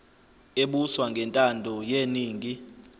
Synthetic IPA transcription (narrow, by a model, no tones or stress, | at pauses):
eɓuswaŋɡʱɛntʼandʱɔjeniːŋʱi